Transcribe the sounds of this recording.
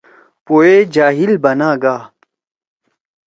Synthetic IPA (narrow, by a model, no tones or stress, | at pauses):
poːed͡ʑaːɦilbɐnaːɡaː